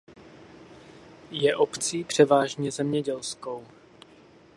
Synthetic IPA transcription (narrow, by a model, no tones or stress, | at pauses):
jɛʔopt͡siːpr̝̥ɛvaːʒɲɛzɛmɲɛɟɛlsko̞w